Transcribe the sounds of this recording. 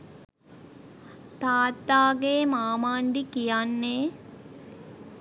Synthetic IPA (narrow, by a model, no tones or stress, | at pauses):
t̪aːt̪ːaːɡeːmaːmaːnɖ̪ikijanːe